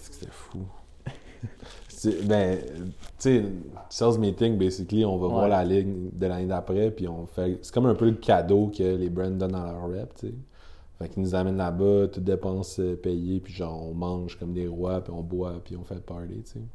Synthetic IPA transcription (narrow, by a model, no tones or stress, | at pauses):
ɛskəse̥t̪ʰɛfu | tebɛ̃ | t͡sesɛzmit̪ɪŋbɛsɪkliɔ̃vɑvwaːʁlalɪŋd̪əlaned̪apʁɛpiɔ̃fɛse̥kɔmə̃˞pøləkʲʰad̪okʰʲəlebʁɛ̃nd̪d̪ɔnd̪ɑ̃lœːʁːɛpt͡se | fɛkːinuzamɛnlabʌt̪ʊt̪̚d̪epɑ̃səpɛjepiʒɑ̃ːʁɔ̃mɑ̃ːʒkɔmd̪eʁwapiɔ̃bwapiɔ̃fɛlpɑːlḛt͡se